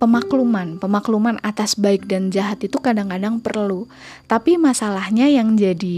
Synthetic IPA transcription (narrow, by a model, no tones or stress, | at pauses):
pəmaklumanpəmaklumanat̪asbaɪk̚dand͡ʒaɦat̪it̪ukadaŋkadaŋpərlu | t̪apimasalahɲajaŋd͡ʒadi